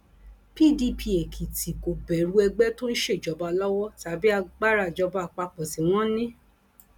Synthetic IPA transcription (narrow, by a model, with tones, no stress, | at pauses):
pi˦˨di˧˨pʰi˧e˨kʰi˨ti˨ko˨bɛ˨ɾu˦ɛ˧ɡ͡bɛ˦to˦n̩˦ʃe˦˨d͡ʒɔ˨˦ba˧lɔ˦wɔ˦ta˨˦bi˦a˧ɡ͡ba˦ɾa˦˨d͡ʒɔ˧ba˧˨k͡pa˧k͡pɔ˨si˨w̃ɔ̃˦nĩ˦